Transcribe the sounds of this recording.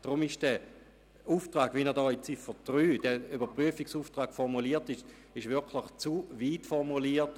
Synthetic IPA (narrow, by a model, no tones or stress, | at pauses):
d̥ʁʊmɪʃd̥ɛ | uːftʁaːɡ̥vinɛdɔːit͡sɪfəd̥ʁyːd̥ɛybɐpʁyəfiksuːftʁaːkfɔʁmuliːɐtɪʃ | ɪʃvɪkʰlɪχt͡suviːtfɔʁmuliːt